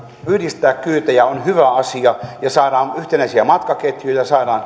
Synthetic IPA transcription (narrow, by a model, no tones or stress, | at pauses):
yhdist̪æːkkyːt̪æjæonhyʋæɑsiɑjɑsɑːɾɑːnyht̪enæisiæmɑt̪kɑket̪jyjjɑsɑːdɑːn